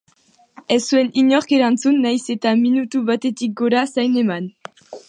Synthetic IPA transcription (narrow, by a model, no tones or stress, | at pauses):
esue̞niɲo̞ɾke̞ɾant͡sunːajse̞t̪aminut̪uβat̪e̞t̪ik̚ɡoɾasajne̞man